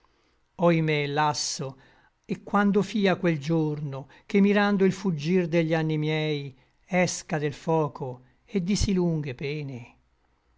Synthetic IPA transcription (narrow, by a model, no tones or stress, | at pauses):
ɔjmelasːo | ekːwand̪ofiːakweld͡ʒorno | k̟emːiɾand̪oilfud͡ʒːird̪eʎːanːimjɛj | ɛskad̪elfɔːkʰo | ed̪ːisiluŋɡepɛːne